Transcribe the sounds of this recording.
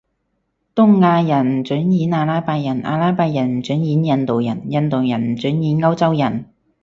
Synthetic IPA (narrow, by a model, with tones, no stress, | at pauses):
t̪ʊ˥ŋːaː˧jɐ˨˩n˨˩t͡ʃy˨˥njiː˨˥naː˧laː˥jpaː˧jɐ˨˩nʔa̰ː˧laː˥jpaː˧jɐ˨˩nm̩˨˩t͡ʃy˨˥njiː˨˥njɐ˧nt̪o˨wjɐ˨˩njɐ˧nt̪o˨wjɐ˨˩nm̩˨˩t͡sy˨˥njiː˨˥nŋɐ˥wt͡sɐ˥wjɐ˨˩n